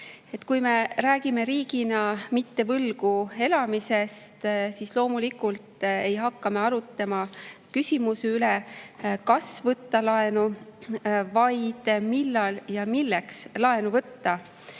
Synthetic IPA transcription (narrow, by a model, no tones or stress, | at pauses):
e̞t̪ːˑkujme̞ɾæːɡ̥ime̞ɾiːɡinɑmit̪ːe̞vɤlɡ̥ue̞lɑmise̞st̪sislo̞ːmulikult̪ˑe̞jɦɑkːɑmeɑɾut̪ːˑɑmɑkysʲimusylekɑsvɤt̪ːɑlɑe̞nu | vɑjd̪̥milːɑljɑmilːekslɑe̞nuvɤt̪ːɑ